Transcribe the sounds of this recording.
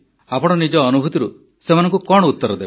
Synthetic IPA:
apɔɽ̃ɔnid͡ʒɔːnubʱut̪iɾu | semanɔŋkukɔɽɔut̪ːɔɾɔd̪eb

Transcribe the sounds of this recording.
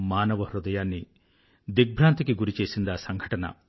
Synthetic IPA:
maːnɐʋɐhɾud̪ɐjaːnːi | d̪ik̚bʱɾaːnt̪ikeɡuɾit͡ʃeːsind̪asɐŋɡʱɐʈɐnɐ̰

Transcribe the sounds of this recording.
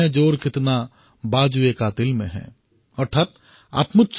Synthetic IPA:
ẽd͡ʒoːɾkɪt̪na | baːd͡ʒuekaːt̪ɪlmḛ̃ɦɛ̰̃ː | ɔɾt̪ʰaːt̪̚ | a̰ːt̪mʊt̪t͡ʃ

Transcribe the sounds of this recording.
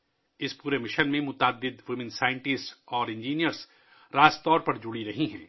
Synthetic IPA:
ɪspuːɾemɪʃənmẽmʊt̪aːd̪ːɪd̪ʋɪmɪ̃nsaːɪ̃ɳʈɪsʈsɔːɾɪ̃ɲd͡ʒiːnijəɾz | ɾaːst̪ɔːɾpɐɾd͡ʒʊɽiɾɐɦiɦɛ̰̃ː

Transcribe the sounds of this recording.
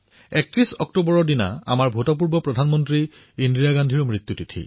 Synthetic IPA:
ɛk̚tɹisɔk̚tobɔɹɔɹdina̰a̰maɹbʱotɔp̬uɹbɔpɹɔdʱanmɔntɹi | indɹijaɡandʱiɹmɹit̪jutitʰḭ

